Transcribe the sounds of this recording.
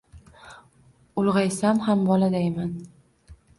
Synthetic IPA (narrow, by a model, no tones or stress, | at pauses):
ʊlˠʁɑjsamhambɒlad̪ajman